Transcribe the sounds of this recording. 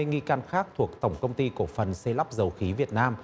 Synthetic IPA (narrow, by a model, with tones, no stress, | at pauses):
e˧ŋi˧kaː˧nxaː˦˥k̚t̪ʰu˨˩ək̚t̪ə˧˩wŋ͡mkə˧wŋ͡mt̪i˧ku˧˩əfə˨˩nsə˧la˦˥p̚zə˨˦wxi˨˦vi˨˩ət̚naː˧m